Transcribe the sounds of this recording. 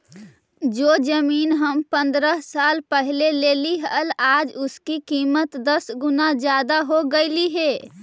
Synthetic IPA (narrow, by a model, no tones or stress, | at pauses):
d͡ʒoːd͡ʒəmiːnɦəmpə̃nd̪ɾəɦsaːlpəɦleleːliɦəlaːd͡ʒʊskikiːmət̪d̪əsɡʊnad͡ʒjaːd̪aɦoɡəɪliɦeː